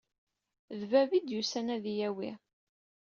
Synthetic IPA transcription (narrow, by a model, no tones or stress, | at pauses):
ðvævid̪jusænæðijæwi